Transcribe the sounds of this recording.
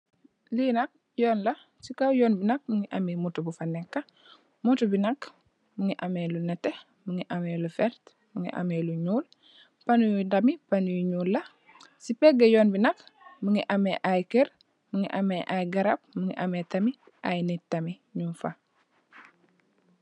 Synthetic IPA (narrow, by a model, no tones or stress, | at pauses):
linɐk̚ | jɔːnlɐ | sikawjɔːnbinɐk̚muŋiʔɐmimutubufanɛkːɐ | mutubinɐk | muŋiʔamelunɛte | muŋiʔamelufɛɾt | muŋḭʔa̰meːluɲuːl | panujudɐmipanujuɲuːlːɐ | sipɛɡɐjɔːnbinɐkmuŋiʔɐmeʔajkɛɾ | muŋiʔɐmeʔajɡɐɾɐp̚muŋiʔametɐmi | ʔajnitɐmi | ɲunfa